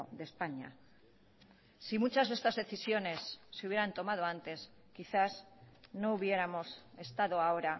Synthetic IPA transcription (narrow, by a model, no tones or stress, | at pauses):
ðe̞spaɲa̰ | simut͡ʃazðe̞st̪azðe̞θisjo̞ne̞sːeuβjeɾant̪o̞mað̞oant̪e̞s | kiθasno̞uβje̞ɾamo̞se̞st̪aðoaoɾa